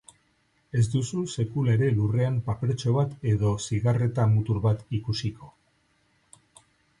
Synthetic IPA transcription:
e̞zd̪ususe̞kulaeɾe̞lure̞ampapeɾet͡ʃo̞βat̪e̞ðo̞siɣare̞t̪amut̪uɾβat̪ikusiko̞

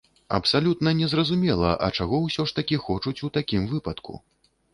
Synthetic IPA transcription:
ɐ̰psalʲut̪nɐnʲɛzrɐzumʲɛlˠɐ̰ʔɐ̰t͡ʂaɣɔwsʲɔʂt̪ɐkʲixɔt͡ʂut͡sʲut̪akʲimvɨpɐt̪kṵ

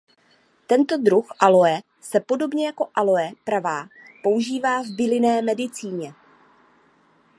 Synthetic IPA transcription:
t̪ɛnt̪o̞d̪ɾuxʔalo̞ɛ | sɛpo̞do̞bɲɛjako̞ʔalo̞ɛpɾavaːpo̞uʒiːvaːvbɪlɪnɛːmɛdɪt͡siːɲɛ

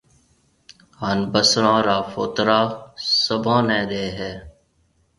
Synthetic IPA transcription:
hənbəsɾãːɾaːfo̰ːt̪ɾaːsəbʱãːnẽːɾeːɦɛː

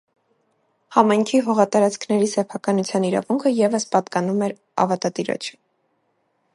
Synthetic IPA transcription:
hɑmɑjŋkʰiɦɔʁɑt̪ɑɾɑt͡skʰnɛɾisɛpʰɑkɑnut͡sʰjɑniɾɑ̰vuŋkʰəjɛvəspɑt̪kɑnumɛɾ | ɑ̰vɑt̪ɑt̪iɾɔ̰t͡ʃʰə̥

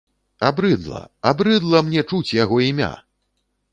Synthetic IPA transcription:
abɾɨd̪lˠɐ̰abɾɨd̪lˠɐmnʲɛt͡ʂut͡sʲjaɣɔimʲa̰

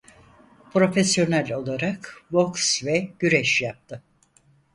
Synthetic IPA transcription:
pʰɾo̞fesjo̞nælʲo̞lˠaɾakvoksvɛɟ̥yɾɛʃjap̚t̪ʰɯ

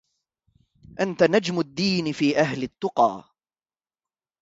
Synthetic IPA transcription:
ʔant̪anad͡ʒmʊd̪ːiːnɪfiːʔaɦlɪt̪ːʊqɑ̰ː

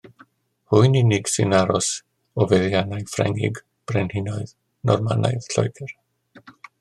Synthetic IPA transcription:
hujniniɡsɪnaɾɔs | ɔvɛðjanajfɾɛ̰ŋɪ̰ɡ | b̥ɾɛnhɪnɔjð | nɔrma̰na̰jðɬɔ̰jɡɛɾ

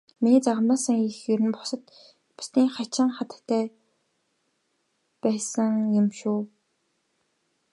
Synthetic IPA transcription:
miniːt͡saʁə̆maːsə̆ŋixjɵɾɘ̆npʊ̥sə̆t̪ | pʊ̥sniːŋχat͡ɕɪ̆ŋχat̪ə̥̆kt̪ʰːæː | pæːsə̆ŋjʊmʃuː

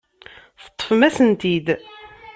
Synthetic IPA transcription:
θə̥t̪ˤːə̥fmæsənt̪id̪

